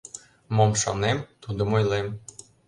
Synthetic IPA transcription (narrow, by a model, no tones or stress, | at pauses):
momʃo̰nemt̪ud̪ŏmojlem